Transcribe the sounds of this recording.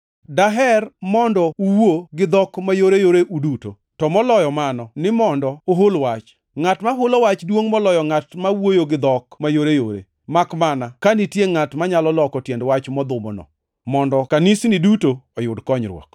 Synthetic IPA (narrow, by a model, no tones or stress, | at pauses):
daɦɛrmɔndɔuwoɡɪd̪ɔkmajoɾejoɾeʔuduto | tɔmɔlɔjɔmanɔnɪmɔndɔoɦolwat͡ʃ | ŋatmaɦʊlowat͡ʃdwoŋmɔlɔjɔŋatmawojoɡɪd̪ɔkmajoɾejo̰ɾḛ | makmanakanitjeŋatmaɲalɔlɔkɔtjendwat͡ʃmɔd̪ʊmɔ̰nɔ̰ | mɔndɔkanisnidutoɔjʊdkɔɲɾwɔ̰k